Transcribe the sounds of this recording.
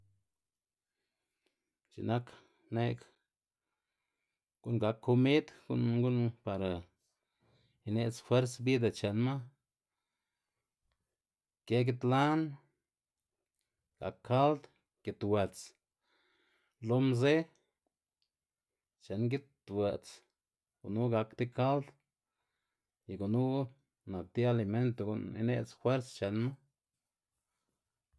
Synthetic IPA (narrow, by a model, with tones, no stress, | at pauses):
t͡ʃḭ˨na˦k | ne˦k | ɡ̥u˦nɡa˨˧kʰːo˧mi˦d̪ɡṵ˦nɡu˦npa˨ɾa˨ | i˧ne˧ʔt͡sfwe˦ɾsbi˦d̪a˨t͡ʃe˨nma˦ | ke˦ɡi˦t̪la˦n | ɡ̥a̰˨kʰːa˦ld̪ | ɡ̥i˨˧t̪we˨t͡s | lo˦mze˦ | t͡ʃe˨nɡi˦t̪we˨t͡s | ɡ̥u˨nu˦ɡa˧kt̪i˦ka˦ld̪ | ji˨ɡu˨nu˦ | na˨k̚t̪i˦a˧li˧me˦nt̪o˧ɡṵ˧nḭ˧nḛ˦t͡sxwe˦ɾst͡ʃe˨nma˦